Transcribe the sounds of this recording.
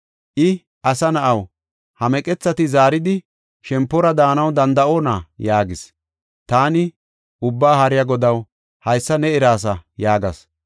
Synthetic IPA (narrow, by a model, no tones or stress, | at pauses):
ʔɪ | ʔɐsɐnɐʔɐw | hɐmɛkʼɛt͡sːɐt̪ɪzaːɾɪd̪ɪ | ʃɛmpːɔɾɐd̪aːnɐwd̪ɐnd̪ɐʔo̞ːnɐjaːɡɪs | t̪aːnɪ | ʔʊbːaːhɐɾɪjɐɡɔd̪ɐw | hɐjsːɐnɛɪɾaːs̬ɐjaːɡɐs